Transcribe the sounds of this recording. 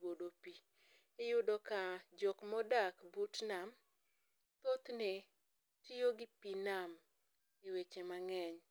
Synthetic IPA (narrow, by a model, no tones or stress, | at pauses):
odopi | ejʊdɔkad͡ʒɔkmɔdakbutnam | t̪ot̪ne | tijoɡɪpinam | ewet͡ʃemaŋɛɲ